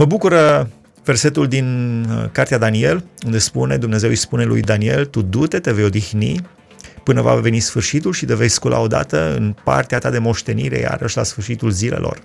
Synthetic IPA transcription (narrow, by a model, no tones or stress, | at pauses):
məbukuɾə | ve̞rse̞t̪uld̪inkart̪ead̪anie̞lund̪e̞spune̞d̪umne̞zewijspune̞lṵjd̪anie̞lt̪ud̪ut̪e̞t̪e̞vejo̞d̪ixni | pɨnəva̰ve̞nisfɨrʃit̪ulʃid̪evejskulʔa̰o̞d̪a̰t̪əɨ̰npa̰rt̪eat̪ad̪e̞mo̞ʃt̪e̞niɾe̞̰ja̰ɾəʃla̰sfɨrʃit̪ulzile̞̰lo̞̰r